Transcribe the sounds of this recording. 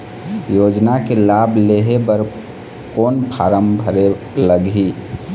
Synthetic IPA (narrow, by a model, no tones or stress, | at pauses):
jod͡ʒnakelableɦebəɾ | konpʰaɾəmbʱəɾe | ləɡi